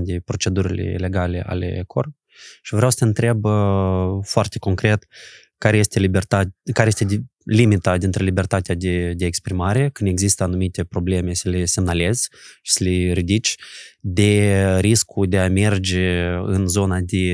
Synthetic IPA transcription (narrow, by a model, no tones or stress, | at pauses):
d̪epɾo̞t͡ʃe̞d̪uɾilḛle̞ɡale̞̰ʔa̰lḛkʰor | ʃivɾeawsə̥t̪eɨnt̪ɾe̞bəfoart̪e̞ko̞ŋkɾe̞t̪ | kaɾejest̪elibert̪akaɾejest̪e | limit̪ad̪int̪ɾelibe̞rt̪at̪ead̪ed̪eːkspɾimaɾe̞kɨnd̪eɡzist̪əanumit̪ʲe̞pɾo̞ble̞me̞səle̞se̞mnale̞z̥ʃi̥səleɾid̪it͡ʃʲd̪eɾiskud̪eame̞rd͡ʒeɨ̰nzo̞nad̪e̞